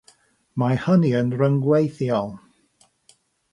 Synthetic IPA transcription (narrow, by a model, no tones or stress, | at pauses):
mahəniənrəŋɡwejθjɔlˠ